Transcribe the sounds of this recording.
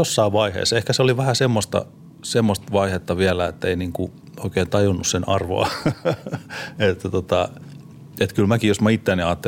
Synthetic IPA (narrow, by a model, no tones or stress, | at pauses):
osːɑiʋʋɑihḛːsehkæseoliʋæhæsemːost̪ɑ̰ | semːost̪ʋɑihet̪ːɑʋiælæet̪ːeiniŋku | oikeːnt̪ɑjunːussenɑrʋo̰ɑ̰ | et̪ːæt̪ot̪ɑ | et̪kylmækijosmɑit̪ːeæːniɑːt̪ːe